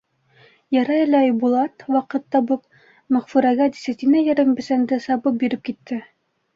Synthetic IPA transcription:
jæɾɑɘlæjbulˠɑt̪wɑqɤ̆t̪ːɑbɤp̚ | mæχfuɾæɡæd̪isæt̪ʲinæjɘ̆ɾɘŋbɘ̆sænd̪ɘsɑbɤp̚biɾɘp̚kit̪ːɘ

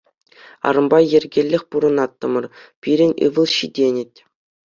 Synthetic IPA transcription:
ɑ̰ɾɤ̆mbɑjĕrʲɡʲelʲːɘ̆xʲpuɾɤ̆nɑt̪ːɤ̆mɤ̆rpʲiɾʲɘ̆nʲɯ̰ʋɤ̆lˠɕidʲenʲɘ̆t̚ʲ

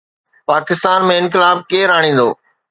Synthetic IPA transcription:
paːkɪst̪aːnmẽɪ̃nk̬ɪlaːb̚keːɾaːɽ̃ĩːn̆d̪o̰ː

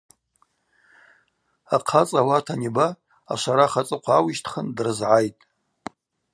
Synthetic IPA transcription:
aqʰat͡sʼawatʰaniba̰ː | ʃʷaɾaχat͡sʼɨqʷʰaawiʃtʰχəndrɨzʕajtʼ

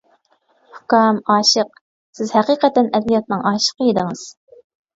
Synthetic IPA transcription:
hʊkɑmɑːʃəq̚ | sɪzhɛqiːqɛt̪ɛnɛd̪ijɑt̪̚nɨŋɑːʃə̥qʰəjid̪ɪŋɨz̥

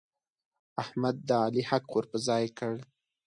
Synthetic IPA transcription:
ahmad̪ːəɑlihakwəɾpəzɑjkəɽ

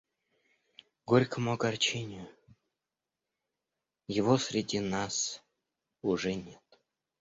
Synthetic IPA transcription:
ɡoɾʲkəmʊɡart͡ɕenʲʊ | jɪvosʲɾʲɪdʲinɑs | uʐɛnʲet̪

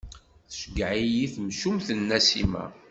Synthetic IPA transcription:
θəʃɡʕijiθmʃumθənːæsimæ̰

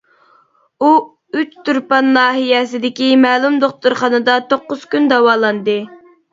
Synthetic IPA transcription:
u | yt͡ʃt̪ʰyɾpɑnlɑːɦijɛsɪd̪ɪkʲimɛːlˠumd̪oχt̪uɾχɑnɨd̪ɑt̪oqːʊz̥kʲynd̪ɑwɑːlˠɑnd̪ɨ

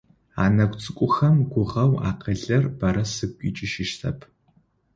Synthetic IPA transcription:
a̰ːnɐkʷʼt͡sʼɨkʷʼʊxɐmɡʷʊʁɐwa̰ːqɐɮɐrbɐɾɐsɨkʷʼit͡ʃʼɪʃɪʃtʰɐ̰pʰ

